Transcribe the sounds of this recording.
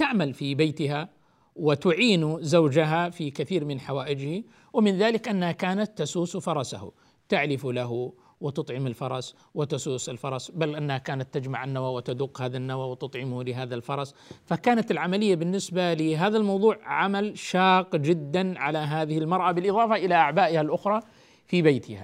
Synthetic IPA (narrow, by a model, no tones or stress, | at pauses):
t̪aʕmalfibajt̪ɪɦa | wɪt̪ʊʕiːnuzawd͡ʒaɦafikaθiːɾmɪnħawaːʔɪd͡ʒhi | wɪmɪnðaːlɪkʔanːhakaːnat̪ːasuːsfɑɾˤɑsahṵ | t̪aʕlɪfulaɦu | wɪt̪ʊt̪ˤʕɪmɪlfɑɾˤɑs | wɪt̪asuːsɪlfɑɾˤɑsbalʔanːahakaːnat̪ːad͡ʒmaʕanːawawɪt̪ad̪ʊqːhaːðanːawawɪt̪ʊt̪ˤʕɪmhlɪɦaːðalfɑɾˤɑsfakaːnat̪ɪlʕamalɪjːabɪnːɪsbalɪɦaːðalmɑwðˤuːʕʕamalʃɑːqd͡ʒɪd̪ːanʕalaɦaːðɪhɪlmɑɾˤʔabɪlʔɨðˤɑːfɑʔɪlaʔaʕbaːʔɪhalʔʊxɾˤɑ | fibajt̪ʰɪha̰